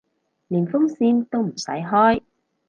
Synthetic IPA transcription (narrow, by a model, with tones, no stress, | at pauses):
li˨˩nfʊ˥ŋ͡msiː˧nt̪o˥wm̩˨˩sɐ̰˨˥jɦɔː˦˥j